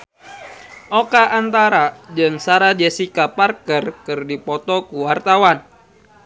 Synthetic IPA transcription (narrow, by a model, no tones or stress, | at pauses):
ʔokaʔːnt̪aɾad͡ʒɨŋsaɾad͡ʒɛsikaparkərkɨrdipɔt̪ɔkuwart̪awan